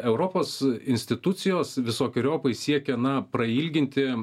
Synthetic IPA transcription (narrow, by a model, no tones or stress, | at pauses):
ɛʊɾoːpoːsɪnʲsʲt̪ʲɪt̪ʊt̪sʲɪjoːsʋʲɪsoːkʲɪɾʲoːpɐɪsʲiɛkʲɛnɐpɾɐiːlʲɡʲɪnʲt̪ʲɪ